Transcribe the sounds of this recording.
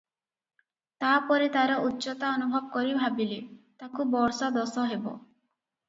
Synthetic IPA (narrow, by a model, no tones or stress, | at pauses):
t̪apɔɾit̪aɾɔʔutːɔt̪aɔnubʱɔbɔkɔɾibʱabilet̪akubɔɾsɔd̪ɔsɔɦebɔ̰